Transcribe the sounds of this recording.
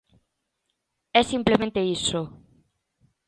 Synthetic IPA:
ɛsimplemẽnt̪eiso

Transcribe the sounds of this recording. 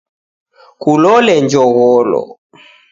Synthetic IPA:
kulɔlɛɲd͡ʒɔɣɔlɔ̰

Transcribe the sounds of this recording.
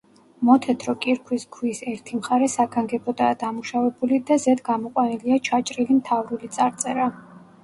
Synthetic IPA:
mɔt̪ʰɛt̪ʰɾɔkʼiɾkʰwisɡʰwisɛɾt̪ʰimχaɾɛsaɡaŋɡɛbɔd̪aːd̪amuʃavɛbulid̪azɛd̪ɡamɔqʼwaniliat͡ʃʰat͡ʃʼɾilimt̪ʰavɾulit̪sʼaɾt̪sʼɛɾa

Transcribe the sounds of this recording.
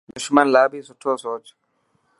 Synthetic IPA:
nɔʃumanlabisɔtʰɔsɔːt͡ʃɔ̥

